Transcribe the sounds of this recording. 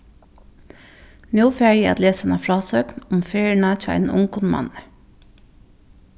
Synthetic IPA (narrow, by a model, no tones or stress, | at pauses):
nuːfæːɹjɛɑ̰t̪leːsɑnɑːfɾɑːsøːknʊmfeːɹəɳɑt̪ʰːæ̰ɪnʔʊ̰ŋkʊnmɑ̰n